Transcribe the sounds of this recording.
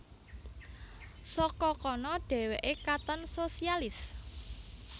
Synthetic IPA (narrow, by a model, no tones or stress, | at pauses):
sɔkɔkɔnɔɖ̥ɛ̤weʔekat̪ənsosialɪs